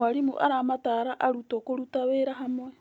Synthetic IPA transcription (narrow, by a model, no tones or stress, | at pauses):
aɾimṵʔa̰ɾamataɾaʔaɾutokoɾutaβeɾaɦamwe